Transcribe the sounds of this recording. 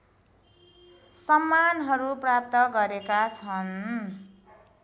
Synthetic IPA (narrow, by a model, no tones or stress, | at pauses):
sʌmːanɦʌɾuprap̚t̪ʌɡʌɾekat͡sʰʌn